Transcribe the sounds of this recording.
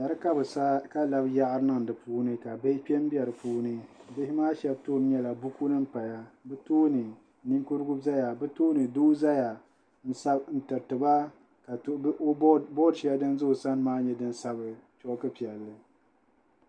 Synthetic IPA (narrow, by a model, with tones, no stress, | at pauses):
ja˨ɾɨ˦ka˦bɨ˨sa˦ka˦la˦bja˦ʔa˦ɾɨ˦nɨ˦ŋ˨dɨ˨puː˦nɨ˦ka˨be˦k͡pʲɛ˦m˦bɛ˨ɾɨ˨puː˦nɨ˦bɪ˦hɪ˦maː˦ʃɛ˦b̚toː˦˨m˦ɲɛ˦la˨bu˦ku˦nɨ˦m̩˦pa˨ja˦bɨ˦toː˦nɨ˨ | ni˦ŋku˦ɾɨ˦ɡu˦za˦ja˨bɨ˦toː˦nɨ˨duː˦za˦ja˨ | n̩˦sa˦n̩˦˨tɨ˨ɾtɨ˨ba˦ | ka˨˦bɔ˦dʃi˦a˦dɨ˦nzʊ˦hsa˦n˦maː˦ɲɛ˦dɨ˦n˦sa˦bɨ˨t͡ʃɔ˦kɨ˦pi˨ɛ˨lːɨ˨